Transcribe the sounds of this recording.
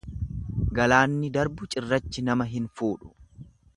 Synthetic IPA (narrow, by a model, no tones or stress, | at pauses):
ɡɐlaːnːɪd̪ɐɾbʊt͡ʃʼɪrːɐt͡ʃːɪnɐmɐɦɪnfuːᶑʊ̥